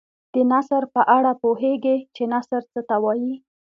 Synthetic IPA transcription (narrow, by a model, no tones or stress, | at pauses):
d̪̥ənasɾpəʔaɽapoɦeɡet͡ʃenasəɾt͡sət̪awɑji